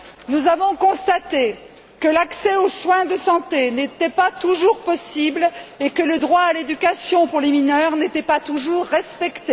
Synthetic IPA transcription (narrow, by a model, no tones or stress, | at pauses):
nuzavɔ̃kɔ̃st̪at̪e | kəlaksɛoswɛ̃d̪əsɑ̃t̪enet̪ɛpat̪uʒuʁpɔsiblekələd̪ʁwaːled̪ykʲasjɔ̃puʁleminœʁnet̪ɛpat̪uʒuʁːɛspɛkt̪e